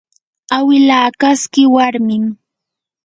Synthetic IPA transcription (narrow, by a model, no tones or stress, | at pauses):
awɪlaːkaskɪwaɾmɪm